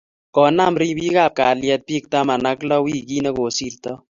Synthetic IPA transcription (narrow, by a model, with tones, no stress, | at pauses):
kɔ˨na˦mɾi˦bi˦ka˦˨p̚ka˨ljɛ˧t̪̚pi˦k̚t̪a˦ma˨na˦klɔ˦wi˦ki˦nɛ˦ko˨si˦ɾt̪ɔ˦